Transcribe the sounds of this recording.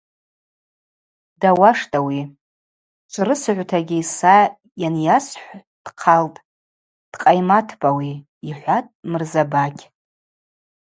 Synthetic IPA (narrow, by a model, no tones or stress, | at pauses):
dawaʂtʼawi | t͡ʃʷʼʰɾɨsɨʕʷtʰaɡʲisa | janjasħʷ | d̥qʰaltʼ | d̥qʼajmatʰbʼawi | iħʷatʼmɨrzabakʲʰʼ